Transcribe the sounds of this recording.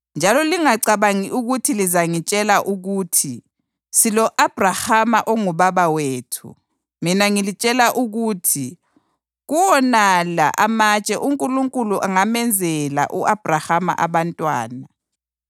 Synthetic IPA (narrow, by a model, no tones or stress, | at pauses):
nd͡ʒʱalɔliŋaǀaβaŋiʔuɣutʰilizaŋit͡ʃʼɛlaʔuɣuːtʰi | silɔʔab̥ʱrahamaʔɔŋuβaβaweːtʰṵ | minaŋilit͡ʃʼɛlaʔuɣuːtʰi | ɣuwɔnala̰ʔamat͡ʃʼɛʔuŋkʼuluŋkʼuluʔaŋamɛnd͡zʱɛla̰ʔuʔab̥ʱrahama̰ʔa̰βantʼwa̰ːna